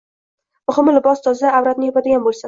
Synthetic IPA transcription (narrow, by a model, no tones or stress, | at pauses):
mʊhɪmlɪbɒst̪ʰɒzaawɾat̪̚nɪjɒpʰad̪ɪɡʲanbolsɪn